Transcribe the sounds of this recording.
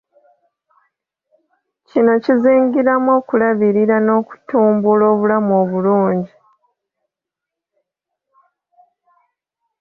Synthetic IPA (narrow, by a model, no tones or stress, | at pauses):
cino̞ciziːŋɡiɾamo̞ːkulaβiɾiɾano̞ːku̥tuːmbulo̞ːβulamo̞ːβuluːɲɟi